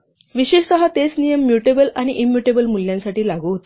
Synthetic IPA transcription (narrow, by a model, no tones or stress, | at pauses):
ʋiɕeɕsəɦat̪et͡snijəmːjuʈebəlaɽ̃iʔimjuʈebəlmuljãnsaʈiːlaɡuːɦot̪